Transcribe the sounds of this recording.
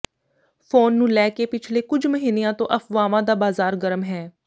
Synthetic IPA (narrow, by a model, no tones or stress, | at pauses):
pʰoːnːũːlɛːkeːpɪt͡ʃʰleːkʊd͡ʒməɦiːneãːt̪õ̰ːʔəpʋaːʋãːd̪aːbaːzaːɾɡəɾəmɦɛː